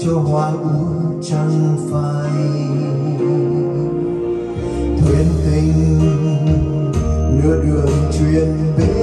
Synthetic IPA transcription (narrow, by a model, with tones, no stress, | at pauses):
t͡ɕɔ˧˦ɦwaː˧jʔu˧˦t͡ɕa˧˦ŋfa˧ | j | t̪ʰwe˨˧˦nt̪i˧˦ŋ | nɨ˨˧˦əɗɨ˨˩əŋt͡ɕwi˧ənɓe˧˦